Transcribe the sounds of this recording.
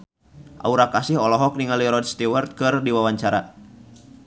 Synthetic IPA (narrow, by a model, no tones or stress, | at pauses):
ʔa̰uɾakasihɔlɔɦɔk̚niŋaliɾɔdst̪iwɛrt̪̚kɨrdiwawaɲt͡ʃaɾa